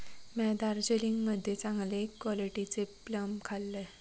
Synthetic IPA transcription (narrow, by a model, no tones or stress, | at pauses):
mɛd̪aɾd͡ʑeliŋɡməd̪ʱːjet͡sãŋɡlekːʋɔliʈit͡sepləmkʰalːe